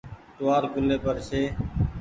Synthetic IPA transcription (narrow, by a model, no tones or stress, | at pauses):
t̪ʊaːɾkʊleːpəɾseː